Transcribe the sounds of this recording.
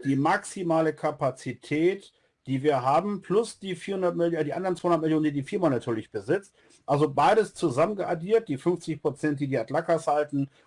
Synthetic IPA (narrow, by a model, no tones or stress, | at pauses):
d̥iːmaksimaːləkʰapat͡sitʰɛːt | d̥iːviːɐɦaːbm̩pʰlʊsd̥iːfiːɐhʊndɐt̚mɪljdiːʔandɐʁnt͡sv̥aːhʊndɐtmɪljoːnəndiːdiːfiɐmanatʰyːɐlɪçb̥əzɪt͡st | ʔalzobaɪɾəst͡suzamənɡəʔaɡiːɐt̚d̥iːfʏnft͡sɪçpʁ̥ot͡sɛnt̚d̥iːdiːatlakashaltn̩